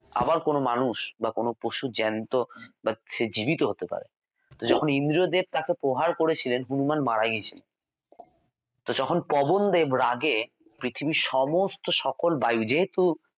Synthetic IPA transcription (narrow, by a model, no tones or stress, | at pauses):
a̰baɾkonomanuʃbakonopoʃud͡ʑɛnt̪obaʃed͡ʑibit̪oɦot̪epa̰ɾḛ | t̪od͡ʑɔkʰonind̪ɾiod̪eb̚t̪akepɾoɦaɾkoɾet͡ɕʰilenɦunumanmaɽaɡiet͡ɕʰilen | t̪od͡ʑɔkʰonpɔbond̪ebɾaɡe | pɾit̪ʰibiʃɔmost̪oʃɔkolbajud͡ʑeɦet̪u